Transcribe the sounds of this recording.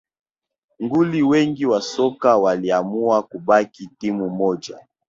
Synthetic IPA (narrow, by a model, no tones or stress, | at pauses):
ŋɡuliwɛŋɡiwasɔkawaliamuakubakitimumɔd͡ʒa